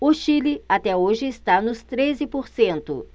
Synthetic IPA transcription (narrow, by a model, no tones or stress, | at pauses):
ʊʃilɪat̪ɛoʒɪɪst̪anʊst̪ɾezɪpoɾsẽnt̪ʊ̰